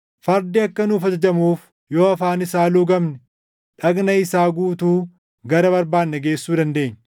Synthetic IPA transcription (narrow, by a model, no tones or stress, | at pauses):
fɐɾd̪ɪɐkːɐnuːfɐd͡ʒɐd͡ʒɐmuːf | joːɐfaːnɪsaːlʊɡɐmnɛ | ᶑɐɡnɐɪsaːɡuːt̪uː | ɡɐɾɐbɐɾbaːnːɐɡe̞ːsːuːd̪ɐnd̪e̞ːɲː